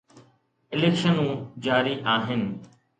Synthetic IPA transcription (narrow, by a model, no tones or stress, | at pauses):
ɪleːkʃənũːd͡ʒaːɾiːʔaːɦɪn